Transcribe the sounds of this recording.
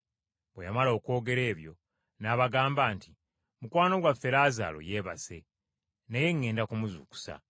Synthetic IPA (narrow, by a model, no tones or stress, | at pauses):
bwḛjamalo̞ːko̞ːɡe̞ɾe̞ːβjo̞̰ | naːβaɡaːmbaːnti | mukwaːno̞ɡwafe̞ɾaːza̰ːlo̞̰je̞βa̰se̞̰ | neje̞ŋːe̞ːndakumuzuku̥sa̰